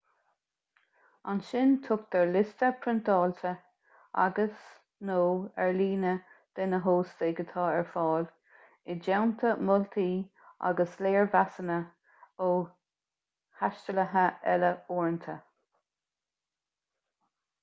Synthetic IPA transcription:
anʃɪnt̪ʰʊk̚d̪̥ɛɹlɪst̪əpʰɾɪnt̪ɑːlt̪ʰə | a̰ɡəs | noːɛɹliːnəd̪̥ɪnəɦoːsteːɡət̪ʰɑːɛɹfɑːl | ɪd͡ʒɛwnt̪ʰəmʊlt̪ʰiː | a̰ɡəsleːɹvasənə | oː | haʃtələɦəɛləoːɹnt̪ʰə

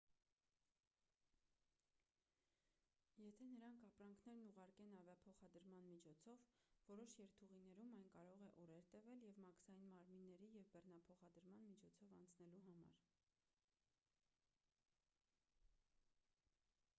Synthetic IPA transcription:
jɛt̪ʰɛnəɾɑŋkʰɑpɾɑŋkʰn̪ɛɾnuʁɑɾkɛnɑvjɑpʰɔχɑd̪əɾmɑnmit͡ʃʰɔt͡sʰɔvvɔɾɔʃjɛɾt̪ʰuʁinɛɾumɑjnkɑɾɔʁɛʔɔɾɛɾt̪əvɛljɛvmɑksɑjinmɑɾminːɛɾijɛvbɛrnɑpʰɔχɑd̪əɾmɑnmit͡ʃʰɔt͡sʰɔvɑnt͡sʰnɛluɦɑmɑ̰ɾ

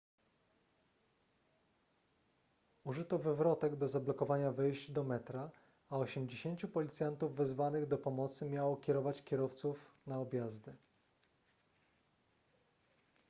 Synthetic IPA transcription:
uʐɘt̪ɔvɘvɾɔt̪ɛɡd̪ɔzablɔkɔvaɲavɘjʑd͡ʑd̪ɔmɛt̪ɾaː | ɔɕɛmd͡ʑeɕeɲʲt͡ɕupɔlʲit̪sʲjant̪uvːɛzvanɘɣd̪ɔpɔmɔt̪sɘmʲjawɔkʲɛɾɔvat͡ɕkʲɛɾɔft̪sufnaɔbʲjazd̪ɘ

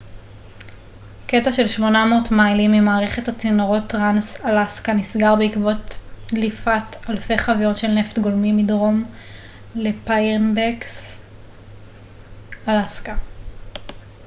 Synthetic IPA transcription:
ketaʃe̞lʃmo̞namoːtmajlimːimaːʁeχetat͡sinoʁo̞tːʁansalaskanisɡaʁbeikvo̞tlifatalfe̞jχavijo̞tʃe̞lne̞ftɡolmimidʁo̞m | le̞panbeks | alaska

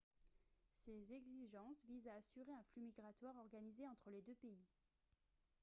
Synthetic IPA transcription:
sezɛɡziʒɑ̃svizaːsyʁeɛ̃flymiɡʁat̪waʁɔʁɡanizeɑ̃t̪χəled̪øpei

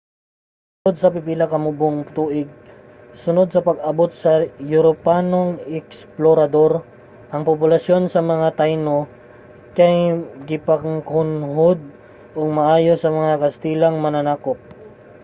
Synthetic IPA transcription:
s | ʊnod̪̚sɐpɪpilɐkɐmʊboŋpt̪uːʔɪɡ̚ | sʊnod̪̚sɐpɐɡ̚ɐbot̪̚sɐjʊɾopanoŋɛksploɾɐd̪o̞ɾ | ʔɐŋpopʊlɐso̞nsɐmɐŋat̪ajno | kɐjɡɪpɐŋhʊnɦod̪̚ | ʔoɡ̚mɐʔaːjosɐmɐŋakɐst̪iːlɐŋmɐnanaːkop̚

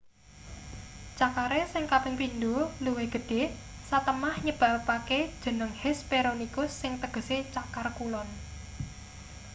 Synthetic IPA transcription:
t͡ʃakaɾesɪŋkapɪŋpind̪oluweɡ̥ə̤ɖ̥e̤sat̪əmahɲəb̥a̤paked̥ʒ̥ə̤nəŋhɛspeɾonikʊsːɪŋt̪əɡ̥ə̤set͡ʃakarkulɔn

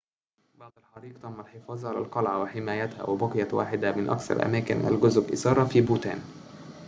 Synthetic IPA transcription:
bɑʕd̪ˤɑlħɑɾˤiːq̚t̪ˤɑmːalħefɑːzˤʕalalqɑlʕawɪħɪmæːjæt̪hæ̰wɪbɑqjawa̰ːħɪd̪amɪnʔɑ̰kθɑ̰ɾˤʔæ̰mæːkɪnʔæ̰lɡʊzʊbʔɪ̰sɑːɾˤɑfiːbuːt̪æ̰ːn

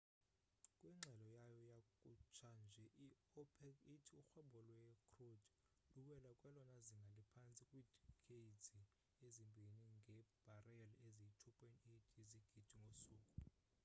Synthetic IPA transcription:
kʼwiŋ͡ǁʱɛlɔjajɔjakʼut͡ʃʰand͡ʒʱɛʔi | ɔpʰɛkitʰiuxwɛɓʱɔlwɛkʰrod | luɓɛlakʼwɛlɔnaziŋɡʱalipʰant͡sʼikʼwiːdʰʱʼikʰeid͡zi | ezimbʱiniŋɡʱɛb̥ʱarɛɛlezitʰupʼɛnitʰiziɡ̥ʱid̥ʱiŋɡʱosuːkʼu

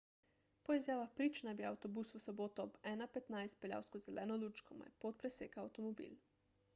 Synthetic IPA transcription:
pɔizjaːʋaxpɾiːt͡ʃnabiawt̪ɔbusʋəsɔboːt̪ɔɔbɛːnapɛt̪najst̪̚pɛlja̰wskɔzɛlʔɛ̰ːnɔluːt͡ʃkɔma̰jpot̪̚pɾɛseːkaːwt̪ɔmɔbḭl

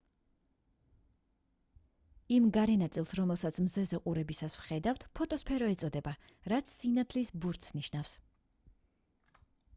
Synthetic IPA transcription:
imɡaɾɛnat̪sʼilˠsɾɔmɛlˠsat̪sʰmzɛzɛqʼuɾɛbisasvχɛd̪avt̪ʰpʰɔt̪ʼɔspʰɛɾɔɛt̪sʼɔd̪ɛba | ɾat̪sʰsinat̪ʰlisbuɾt̪ʰsniʃnafs

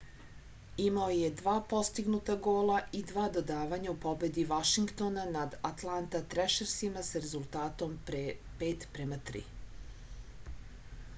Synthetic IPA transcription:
imaoje̞d̪ʋaːpo̞st̪iɡnut̪aɡo̞ːlˠaid̪ʋaːd̪o̞d̪aːʋaɲaupo̞be̞d̪iʋaʃiŋɡt̪o̞nanad̪at̪lˠant̪at̪ɾeʃeɾsimasaɾe̞zulˠt̪aːt̪o̞mpeːt̪pɾemat̪ɾḭ

